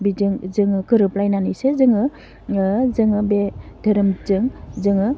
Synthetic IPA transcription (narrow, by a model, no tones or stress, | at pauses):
bid͡ʒɯŋzɯŋɯkɯɾɯplajnanisezɯŋɯ | zɯŋɯbedʱəɾɯmzɯŋzɯŋɯ